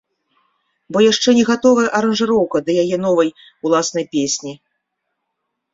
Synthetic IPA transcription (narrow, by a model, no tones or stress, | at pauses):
bɔjaʂt͡ʂɛnʲɛɣat̪ɔvɐjɛʔɐɾɐnʐɨɾɔwkɐd̪ɐjajɛnɔvɐj | ulˠasnɐjpʲesʲnʲi